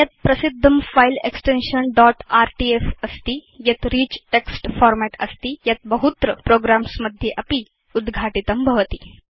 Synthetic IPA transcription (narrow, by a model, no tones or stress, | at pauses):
jat̪̚pɾəsid̪ʱːəmfaileksʈenɕənɖɔʈaɾʈiefəst̪iːjat̪ɾiːt͡ɕʈeksʈfɔɾmæʈəst̪iːjat̪̚bəɦut̪ɾəpɾoɡɾamsməd̪ʱːjeʔapiː | ud̪ɡʱaʈit̪əmbʱəʋət̪iː